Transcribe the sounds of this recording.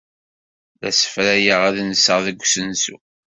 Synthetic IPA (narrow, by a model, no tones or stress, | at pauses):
ðæsə̥fɾæjəʁaðnəsəʁðəɡʷsənsṵ